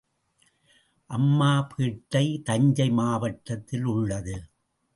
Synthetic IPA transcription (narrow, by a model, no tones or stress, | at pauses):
ʔɐmːaːpʰiːʈːɐɪt̪ɐɲd͡ʒɐɪmaːʋɐʈːɐt̪ːɪlʊɭːɐðɯ